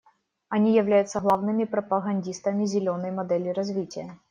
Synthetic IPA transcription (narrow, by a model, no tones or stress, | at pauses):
ɐnʲijɪvlʲæjʊt̪səɣlˠavnɨmʲɪpɾəpəɣɐnʲdʲist̪əmʲɪzʲɪlʲonəjmɐd̪ɛlʲɪɾɐzvʲitʲɪjə